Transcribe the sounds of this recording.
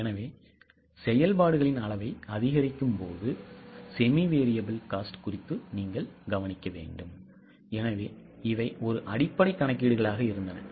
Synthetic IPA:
ɛnɐʋeː | sɛjɐlpaːɽɯɣɐɭɪnɐɭɐʋɐɪɐðɪɣɐɾɪkːɯmpoːðɯsɛmiʋeːɾɪjɐbɯlkaːsʈkʊrɪt̪ːɯniːŋɡɐɭɡɐʋɐnɪkːɐʋḛːɳɖɯm | ɛnɐʋeː | ɪʋɐɪʔɔɾɯʔɐɽɪpːɐɽɐɪkːɐɳɐk̬ːiːɽɯɣɐɭaːɣɐɪɾɯnd̪ɐnɐ̰

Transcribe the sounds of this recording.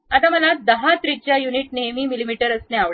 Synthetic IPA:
at̪aməlad̪əɦat̪ɾit͡ɕjajuniʈnemiːmilimiʈəɾəsneaɭ

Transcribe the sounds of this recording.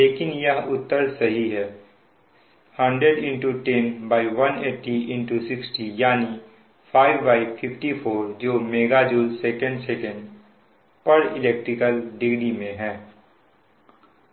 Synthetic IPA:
leːkɪnjɐɦʊt̪ːəɾsɐɦiɦɛː | hɐ̃ɳɖɾeɖɪ̃ɳʈuʈẽnbaːɪʋɐneːʈiʔɪ̃ɳʈusɪksʈijaːni | fʰaːɪʋːaːɪfʰɪfʈipʰoːɾd͡ʒoːmeːɡad͡ʒuːlsɛkə̃ɳɖsɛkə̃ɳɖ | pɐɾɪlɛːk̚ʈɾɪkəlɖɪɡɽimẽɦɛ̃ː

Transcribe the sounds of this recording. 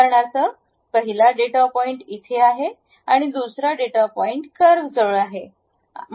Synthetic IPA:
əɾɳaɾt͡səː | pəɦilaɖeʈapɔiɳʈit̪ʰeaɦe | aɽ̃id̪usɾaɖeʈapɔiɳʈkəɾʋd͡zəʋɭaɦe

